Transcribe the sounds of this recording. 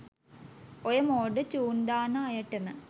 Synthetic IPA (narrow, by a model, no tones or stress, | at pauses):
ojɐmoːɖət͡ɕuːnd̪aːnɐːjɐʈːɐmə